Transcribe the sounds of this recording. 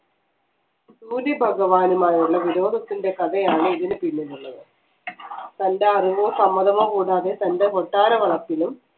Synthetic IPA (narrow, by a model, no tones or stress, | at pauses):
suːɾibʱɐɡɐʋaːnumaːjuɭːɐʋiɾo̞ːd̪ʱɐt̪ːinde̞kɐðɐjaːɳɨiðinɨpinːilːuɭːɐðɨ | t̪ɐnde̞ɐriʋoːsɐmːɐðɐʋɐkuːɽaːðe̞t̪ɐndekoʈːaːɾɐʋɐɭɐpːilum